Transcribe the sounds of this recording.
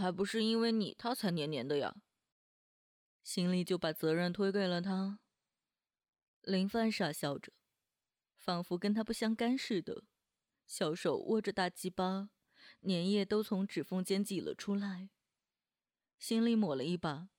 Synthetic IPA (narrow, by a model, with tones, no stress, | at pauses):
xa˧˥ɪpu˧˥ʂɻ̩˥˧i˥nwe˥˩ɪnḭ˨˩t̪ʰa˥t͡sʰa˧˥ɪnjɛ˧˥njɛ˧˥nd̪ə˧jɑ̰˨˩ | ɕi˥nli˥˩t͡ɕjo˥˩ʊpa˨˩t͡sɤ˧˥ɻə˥˩nt̪ʰwe˥ɪkwe˥˩ɪlə˩t̪ʰa˥ | li˧˥ŋfa˥˧nʂa˥˩ɕjɑ˥˩ʊʈ͡ʂə̥˧˩˦ | fɑ˨˩ŋfu˧˥kə˥nt̪ʰa˥pu˥˩ɕjɑ˥ŋka˥nʂɻ̩˥˩d̪ə̰˩ | ɕjɑ˨˧˩ʊʂo˨˩ʊwʔɔ̰˥˩ʈ͡ʂə˨˦t̪a˥˩t͡ɕi˥pɑ˥ | njɛ˧˥njɛ˥˩t̪o˥ʊt͡sʰʊ˧˥ŋʈ͡ʂɻ̩˨˩fɤ˥˩ŋt͡ɕjɛ˥nt͡ɕi˨˩lə̰˨˦ʈ͡ʂʰu˥la˧˥ɪ | ɕi˥nli˧˥mwɔ˨˩lə˦i˥˩pa˨˩˦